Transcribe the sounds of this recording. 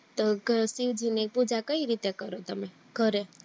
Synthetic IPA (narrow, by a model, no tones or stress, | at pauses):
t̪oɡʱəsiʋd͡ʒʱinek̚pud͡ʒakəiɾit̪ekəɾot̪əme | ɡʱəɾe